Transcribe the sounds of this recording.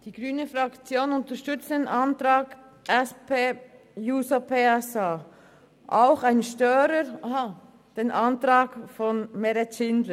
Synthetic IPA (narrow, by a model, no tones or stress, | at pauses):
d̥iːɡ̥ʁyːnəfɾɑkt͡sjoːnʊntəʃtʏt͡stdeːnʔɑntɾɑːɡ | ʔɛspeː | juːsapʰeːɛsaː | ʔaʊxaɪnʃtœːɾəɾ | d̥eːnʔɑntɾɑːɡfɔnmɛɾɛtt͡ʃɪndlə